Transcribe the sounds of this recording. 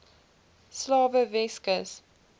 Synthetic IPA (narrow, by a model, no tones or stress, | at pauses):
slɑːvəvɛskəs